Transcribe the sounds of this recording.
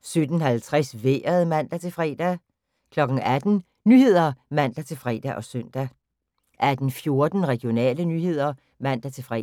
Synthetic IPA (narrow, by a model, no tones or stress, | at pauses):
sød̥n̩hælt͡sʰʁɛsʋeːɐð̩ˠmæn̰d̥æt͡sʰe̝lfʁɛ̰ːd̥æ | kʰlɒ̽ɡ̥ŋ̩æd̥n̩ | nyːhe̝ð̞̰ˠɐmæn̰d̥æt͡sʰe̝lfʁɛ̰ːd̥æʔɒ̽sœn̰d̥æ | ʔæd̥n̩fjo̝ɐd̥n̩ʁɛɡ̥ijo̝nɛ̰ːlənyːhe̝ð̞̰ˠɐ | mæn̰d̥æt͡sʰe̝lfʁɛ̰